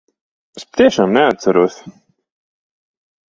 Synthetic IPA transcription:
aspḁt̪iɛʃaːmnɛat̪t̪saɾuɔsʲ

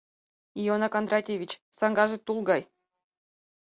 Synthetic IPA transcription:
ijonɑkand̪rɑtʲevʲit͡ɕsɑŋɡɑʒɘ̆t̪ulˠɡɑj

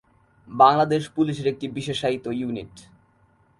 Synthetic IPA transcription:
baŋlad̪eʃpuliʃeɾek̚ʈibiʃeʃait̪ojunḭʈ

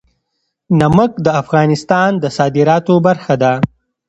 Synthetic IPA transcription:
naməkd̪əafɣɑnɪst̪ɑnd̪əsɑːd̪ɪɾɑt̪obaɾxad̪a

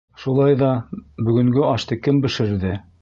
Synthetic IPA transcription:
ʃulˠɑjðɑbɵ̆ɡɵ̆ŋɡɵɑʃt̪ɤkɘmbɘ̆ʃɘ̆ɾðɘ

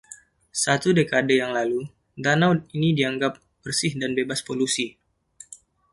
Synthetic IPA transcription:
sat̪udekadəjaŋlalu | danawd̚inidiaŋɡap̚ | b̥ərsɪhdanbebaspolusi

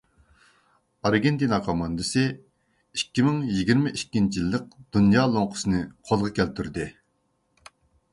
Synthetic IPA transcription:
ɑɾɡʲent̪inɑqʰɑmɑnd̪ɨsɨ | ikʲːimɪŋjiɡʲiɾmɪʔikʲːint͡ʃʰijilˠːəq̚d̪̥unjɑːlˠoŋqʰʊ̥sɨnɨqʰolˠʁɑkʲʰɛlt̪ʰyɾd̪ɪ

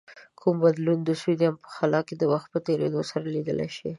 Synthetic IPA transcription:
kʰumbad̪lund̪əsud̪iampə̥xalɑked̪əwaxt̪̚pət̪eɾḛd̪osaɾalid̪əla̰jʃi

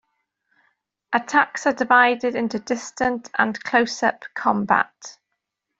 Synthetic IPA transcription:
ʔətʰaksədɪvaɪdɪdɪ̃ntudɪstə̃ntʰə̰̃nkʰl̥oʊsə̰pkʰɒ̃mba̰t

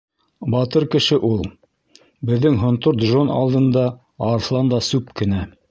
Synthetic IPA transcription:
bɑt̪ɤɾkɘ̆ʃɘʔulˠ | bɘ̆ðːɘŋɦŏnt̪oɾd̪ʒonɑ̰lˠd̪ɤ̆nd̪ɑ | ɑɾslˠɑnd̪ɑsʉpkɘ̆næ

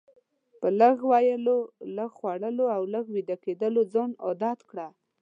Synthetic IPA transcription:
pələɣwajəloləɣxwaɽəloawləɣwid̪aked̪əlod͡zɑnɔd̪ɑt̪kɽa

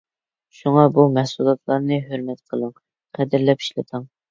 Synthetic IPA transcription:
ʃuŋɑbumɛhsulˠɑt̪ʰlˠɑɾnɨɦøɾmɛt̪qʰəlˠəŋ | qʰɛd̪ɪɾlɛpʰi̥ʃlɨ̰t̪ʰəŋ

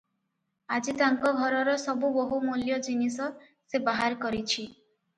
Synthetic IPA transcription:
ad͡ʒit̪aŋkɔɡʱɔɾɔɾɔsɔbuboɦumuljɔd͡ʒinisɔ | sebaɦaɾkɔɾit͡ʃʰi

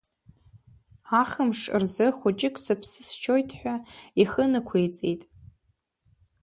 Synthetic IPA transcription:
aχəmʂɨ̰rzɨχʷʊt͡ʃʼɪkʼsɨpʰsɨst͡ʃʰojtʰħʷᶣaiχənɨkʷʰejt͡sʼejtʼ

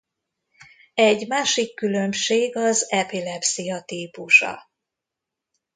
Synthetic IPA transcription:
ɛɟːmaːʃikːylø̞mʃeːɡɒzɛpilɛpsijɒt̪iːpuʃɒ̰

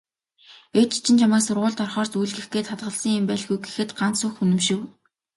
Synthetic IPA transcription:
et͡ɕi̥t͡ɕʰɪ̆nt͡ɕʰamaːksʊrʁʊːɮt̪ɔrχɔːrsujɮɡexɡeːt̪χat̪ʁə̆ɮsə̆ŋimpæːɮɣujɡexɘ̆t̪ɢansʊxunɘ̆mʃɪ̆w

